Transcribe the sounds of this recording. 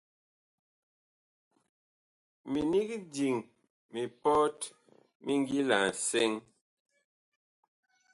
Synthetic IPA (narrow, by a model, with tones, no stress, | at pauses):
mi˨ni˦ki˦di˨ŋ | mi˨pɔ˦t | mi˦ŋ˦ɡi˦la˨n̩˨sɛ˦ŋ